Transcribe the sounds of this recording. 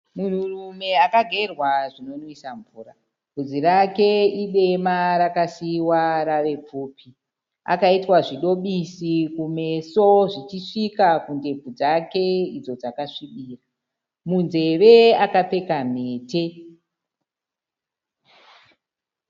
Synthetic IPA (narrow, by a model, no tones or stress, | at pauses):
mun̤urume̞akaɡʱe̞rwaʐino̞nwisaɱvuːɾa | b̥ʱud͡ziɾake̞iɗe̞maɾakasiwaɾare̞p͡fuːpʰi | a̰kaitwaʐiɗo̞ɓisikume̞so̞ʐit͡ʃiʂikakunde̞b͡vud͡zake̞id͡zo̞d͡zakaʂiɓiːra | munze̞ʋe̞akape̞kam̤e̞ːte̞